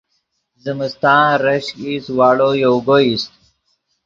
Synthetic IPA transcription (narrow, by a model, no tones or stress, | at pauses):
zəməst̪ãːɾɐɕiswaːɽojoɡoist̪̚